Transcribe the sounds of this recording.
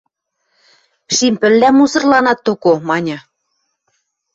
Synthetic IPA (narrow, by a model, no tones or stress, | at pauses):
ʃimpɘ̆lːæmːusɤ̆rlɑnɑt̪ːokomɑnʲɤ̆